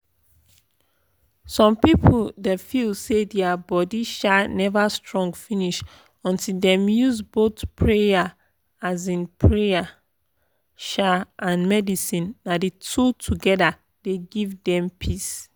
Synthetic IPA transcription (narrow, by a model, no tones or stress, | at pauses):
sɔ̃mpipʰodɛfilsedɛabɔdiʃanɛvastɹɔ̃ŋɡfĩniʃ | ɔ̃ntildɛ̃mjuzbotpʰɹeja | azĩnpʰɹeja | ʃaʔãnmɛdisĩnːadetʰutʰuɡɛda | d̥eɡivdɛ̃mpʰis